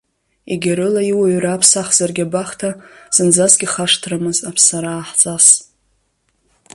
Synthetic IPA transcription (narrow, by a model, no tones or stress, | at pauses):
ḭɡʲaɾɨlaiwaɥraːpʰsaχz̥arɡʲabaχtʰaz̥ɨnd͡zasɡʲɪχaʂtʰramɨzapʰsaɾaːħt͡sʼas